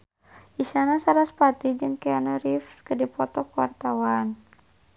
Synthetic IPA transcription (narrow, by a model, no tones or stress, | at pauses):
ʔiʃanasaɾaspat̪id͡ʒɨŋkɛanaɾifskədipɔt̪ɔkəwa̰rt̪awan